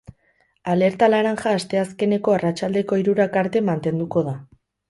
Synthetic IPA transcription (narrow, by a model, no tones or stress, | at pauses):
ale̞ɾt̪alaɾaŋxaːst̪e̞aske̞ne̞ko̞arat͡ʃald̪e̞ko̞iɾuɾakaɾt̪e̞mant̪e̞nd̪uko̞ð̞a